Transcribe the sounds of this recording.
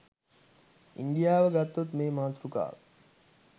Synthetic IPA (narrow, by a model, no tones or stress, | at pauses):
ind̪ijaːʋəɡat̪ːot̪meːmaːt̪ɾuka̰ːʋ